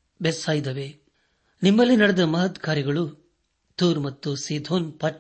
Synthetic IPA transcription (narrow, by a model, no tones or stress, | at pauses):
besaːjid̪ɐʋe | nimːɐlːinɐɽɛd̪ɐmɐɦɐt̪ɡaːɾiɡɐɭu | t̪uːɾmɐt̪ːusiːd̪ʱoːnpɐʈ